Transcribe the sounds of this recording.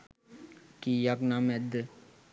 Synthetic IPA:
kijaknamɛd̪

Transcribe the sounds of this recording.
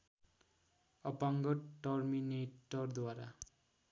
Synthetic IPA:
ʌpaŋɡʌʈʌrmineʈʌrd̪waɾa̰

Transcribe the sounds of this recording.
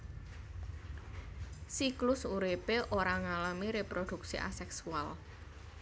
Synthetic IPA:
siklʊsuɾipeʔoɾaŋalamiɾepɾod̪̥ṳksḭʔa̰sɛksual

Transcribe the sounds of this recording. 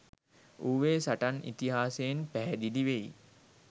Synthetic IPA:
uːʋeːsaʈanḭt̪iɦaːsejnpæɦæd̪iliʋei

